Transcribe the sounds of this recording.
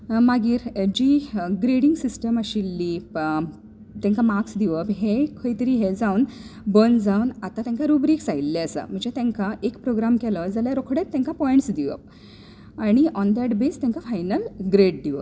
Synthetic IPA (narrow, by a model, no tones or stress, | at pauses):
maɡiːɾd͡ʑiɡɾeɽiŋɡsisʈəməɕilːip | t̪jãŋkamaksd̪iʋəpɦekʰəjt̪əɾiɦed͡zaunbənd͡zaunat̪at̪jɛ̃ŋkaɾubɾiksailːɛəsə̰m̤ə̃ɳd͡ʑet̪ɛ̃ŋkaʔekpɾoɡɾamkɛləd͡zaljaɾokʰɽet̪ːɛ̃ŋkapɔẽɳʈsd̪iʋə̰p̚ | aɽ̃iʔɔnd̪æʈbest̪jɛ̃ŋkafajnəlɡɾeɖ̚d̪iʋəp